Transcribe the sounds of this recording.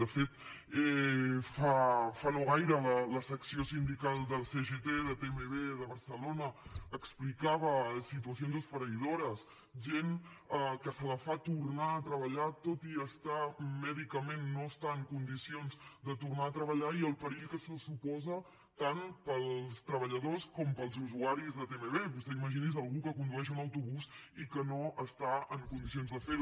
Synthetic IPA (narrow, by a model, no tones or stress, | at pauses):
d̪əfet̪̚ | ɛfafanoɣajɾələləsəksiosind̪ikalˠd̪əlˠseʒet̪eðəpemeβeðəβəɾsəlonəəksplikaβəsit̪uəsionzəsfəɾəiðoɾəs | ʒen | əkəsələfat̪uɾnaət̪ɾəβ̞əʎat̪ot̪iəst̪amɛðikəmenːoəst̪aəŋkund̪isionzd̪ət̪urnaət̪ɾəβəʎaiəlˠpəɾiʎkəsəsupɔzə | t̪anpəlˠst̪ɾəβəʎəðoskɔmpəlˠzuzuaɾizðət̪emeβeβust̪eiməʒinizəlˠɣukəkund̪uɛʃunəwt̪uβuzikənoʔəst̪aəŋkund̪isionzðəfeɾu